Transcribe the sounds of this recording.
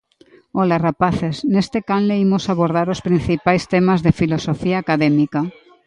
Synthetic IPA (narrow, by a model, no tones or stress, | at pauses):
ɔlarapaθesnest̪ekanleimosaβoɾð̞aɾospɾĩn̟θipajst̪emazðefilosofiaːkaðemika